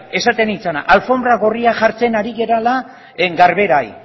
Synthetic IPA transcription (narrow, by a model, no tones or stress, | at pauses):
e̞sat̪e̞nit͡sana̰ʔalfo̞mbɾaɣoriaʝaɾt͡se̞naɾiɣe̞ɾala | ɡaɾβe̞ɾaj